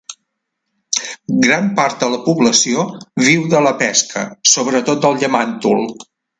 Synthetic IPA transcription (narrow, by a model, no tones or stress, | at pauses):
ɡɾampaɾt̪̚d̪ələpuβləsioβiwðələpɛskə̰soβɾət̪ot̪̚d̪əlˠʎəmant̪ṵlˠ